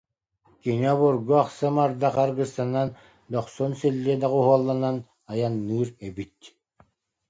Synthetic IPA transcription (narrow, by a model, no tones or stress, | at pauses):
kiniɔβuɾɡuaχsɯmaɾd̪aqaɾɡɯst̪anan | d̪ɔχsɔnsilʲːiɛd̪aʁuɦuɔlˠːanan | ajanːɯːɾɛbit̪̚